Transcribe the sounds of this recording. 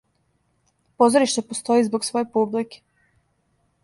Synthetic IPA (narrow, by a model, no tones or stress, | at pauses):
po̞zoɾiʃt̪epost̪o̞izboɡsʋo̞jepublike̥